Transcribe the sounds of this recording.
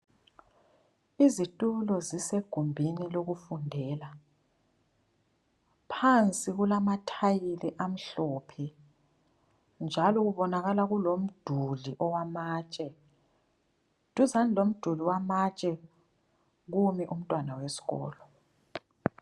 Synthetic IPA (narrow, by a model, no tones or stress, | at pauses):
izitʼulɔziseɡ̥ʱumbʱiniloɣufundʱɛːla | pʰant͡sʼiɣulamatʰajilɛʔam̩ɬɔːpʰɛ | nd͡ʒʱalɔɣuβɔnaɣalaɣulom̩d̥ʱuliʔɔwamaːt͡ʃʼɛ | tuzanilom̩d̥ʱuliwamat͡ʃʼɛ | ɣumɛʔum̩tʼwanawesi̥ɣɔ̰ːlɔ